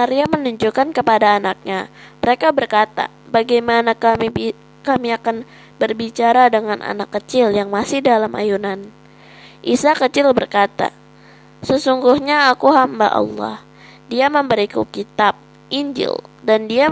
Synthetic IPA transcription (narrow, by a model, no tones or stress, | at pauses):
aɾiamənuɲd͡ʒukankəpadaːnak̚ɲaməɾekabərkat̪a̰ | baɡajmanakami | kamiakan | bərbit͡ʃaɾadəŋanʔa̰nakːət͡ʃɪljaŋmasɪhdalamʔa̰junan | ʔisakət͡ʃɪlbərkat̪a̰ | səsuŋɡuhɲaːkuɦamba̰ʔɑ̰lːɔ̰h | diaməmbəɾikukit̪ap̚ | ʔiɲd͡ʒɪ̰ldandia